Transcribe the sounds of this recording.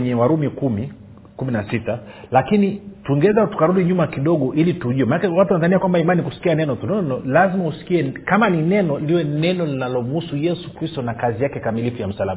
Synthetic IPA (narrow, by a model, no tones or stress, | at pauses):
ɲɛwaɾumikumi | kuminasitalakinituiŋɡɛɛzatu̥kaɾuɗiɲumakiɗɔɠɔʔilituʄuwɛmanakɛwatuwanazaniakwambaimanikusi̥kianɛnɔtunɔnɔlazimausi̥kiɛkamaninɛnɔldiwɛnɛnɔlinalɔm̩husujɛsu̥kɾistɔnakazijakɛkamilifujam̩salama